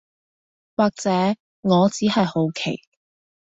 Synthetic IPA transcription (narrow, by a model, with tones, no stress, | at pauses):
waː˨k̚t͡sɛː˨˥ | ŋɔː˨˧t͡siː˨˥hɐ˨jho˨˥wkʰe˨˩j